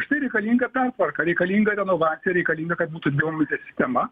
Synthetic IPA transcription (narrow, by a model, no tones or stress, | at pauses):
ʃt̪ɐɪɾʲɛɪkɐlʲiːŋɡɐpʲɛrt̪ʋɐrkɐɾʲɛɪkɐlʲiːŋɡɐɾʲɛnoːʋɑːt̪sʲɪjɛɾʲɛɪkɐlʲiːŋɡɐkɐt̪̚buːt̪ʊd̪ʋʲeɪomʲɪt̪ʲɛsʲɪ̥sʲt̪ʲɛmɐ